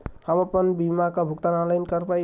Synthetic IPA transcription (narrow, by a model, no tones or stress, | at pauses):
həməpənbimakʌbʱukt̪anãlajnkʌɾpaj